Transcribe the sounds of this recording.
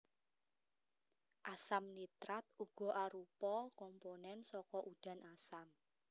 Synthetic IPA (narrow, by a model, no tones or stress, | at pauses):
ʔasamnit̪ɾat̪̚uɡ̥ɔ̤ʔaɾupɔkɔmponɛnsɔkɔʔud̥ä̤nasam